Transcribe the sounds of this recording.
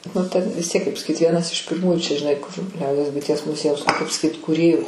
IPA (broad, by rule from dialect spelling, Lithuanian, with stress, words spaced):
nʊ tʲɛn ʋʲɪs ˈtʲiɛk kɐɪp sɐˈkʲiːt ˈʋʲiɛnɐs ɪʃ pʲɪrˈmuːjuː t͡ʃʲɛ ʒʲɪˈnɐɪ kʊr ˈlʲɛʊdʲiɛs bʊɪˈtʲiɛs mʊˈzʲiɛjɛʊs nʊ kɐɪp sɐˈkʲiːt kuːˈrʲeːjʊ